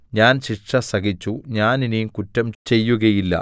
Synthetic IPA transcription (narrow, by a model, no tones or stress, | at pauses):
ɲaːnɕiʂɐsɐɣit͡ɕːuɲaːninijkutːɐmt͡ɕe̞jːuɣɐjilːɐ̰